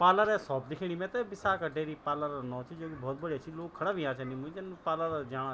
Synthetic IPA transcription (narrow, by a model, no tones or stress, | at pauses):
paːlaɾɛsɔːp̚d̪ɪkʰiɽ̃iːmɛ̃ːt̪ebɪsaːkaɖeːɾiːpaːlaɾanɔ̃ːt͡ʃʰid͡ʒoːkibɔːt̪̚bəɽiat͡ʃʰiloːkʰːəɽaːbʱiãːt͡ʃanimʊ̃ĩd͡ʒeñpaːlaːɾɛd͡ʒaːɽ̃a